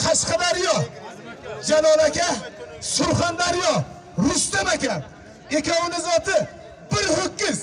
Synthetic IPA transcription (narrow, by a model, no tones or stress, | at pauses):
qʰɑʃqɑd̪aɾjɒ | d͡ʒalɒlakʲasʊɾχand̪aɾjɒ | ɾʊst̪amakʲa | ekʲʰɒwonɪzɒt̪ɪ | bɪɾhokʲːɪz